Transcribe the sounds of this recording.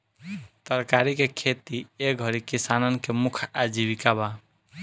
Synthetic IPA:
t̪əɾkaɾikekʰet̪ieɡʱʌɾikisanənkemukʰad͡ʒibikaba

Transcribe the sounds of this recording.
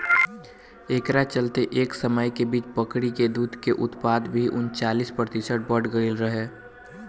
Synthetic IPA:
ekɾat͡ʃəlt̪eʔeːksəməjkebiːt͡ʃpəkɽiked̪uːd̪ʱkeʔʊt̪paːd̪bʱiʔʊnt͡ʃaːliːspɾət̪ɪsəʈ̚bəʈɡəilɾəɦeː

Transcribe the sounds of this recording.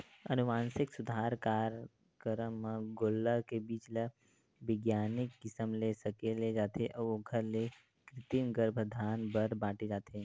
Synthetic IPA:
ə̰nuʋãnsɪksʊd̪ʱaɾkaɾ | kəɾəmːãɡolːəkebiːt͡ʃla | ʋɪɡjanɪkːɪsəmlesəkeled͡ʒat̪ʰeʔəʋoɡʱəɾle | kɾɪt̪imɡəɾbʱəd̪ʱanbəɾbãʈed͡ʒat̪ʰe

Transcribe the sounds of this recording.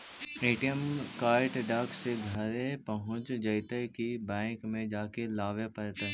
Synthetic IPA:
eːʈijəmkaːɾʈɖaːkseɡʱəɾepɐɦʊ̃t͡ʃd͡ʒɐɪt̪əkibɛ̃ːŋkmẽd͡ʒaːkelaːʋepɐɾt̪a

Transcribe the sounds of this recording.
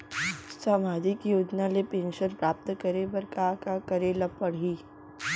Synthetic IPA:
samaːd̪ikijoːd͡ʒnalepẽːnʃəɾpɾaːp̚t̪kəɾebɐɾkakakɐɾelɐpːɐɽ̤iː

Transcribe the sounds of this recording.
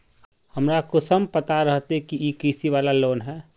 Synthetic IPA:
həmɾakosəmpət̪aɾəɦt̪ekiikiːsiʋaːlaloːnɦɛː

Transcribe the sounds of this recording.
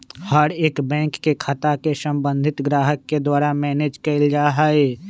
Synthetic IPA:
haɾeːkbɛ̃ːŋkːekʰaːt̪akesə̃mbə̃nd̪ʱɪt̪ɡɾaːɦəkːed̪waːɾamɛːneːd͡ʒkɐld͡ʒaːɦae

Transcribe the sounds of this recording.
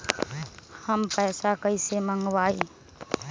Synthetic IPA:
həmpəːsakəisemə̃ŋɡʋaːi

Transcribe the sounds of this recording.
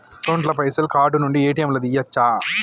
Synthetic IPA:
ʈoːɳʈlɐpɐjsɐlkaːɖunuɳɖieːʈijɐmlɐd̪ijːɐt͡ʃːaː

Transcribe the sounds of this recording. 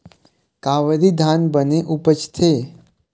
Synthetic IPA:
kaʋəɾid̪ʱanbəneʔupət͡ʃt̪ʰe

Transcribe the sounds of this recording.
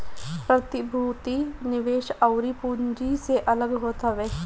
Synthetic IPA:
pɾət̪ɪbʱuːt̪inɪʋeːʃɐʊɾipuɲd͡ʒiseʔɐləɡɦoːt̪ɦəʋeː

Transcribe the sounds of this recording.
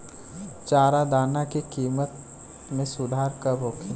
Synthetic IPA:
t͡ʃaːɾad̪aːnakikiːmət̪̚ | mẽsʊd̪ʱaːɾkəbʱoːkʰi

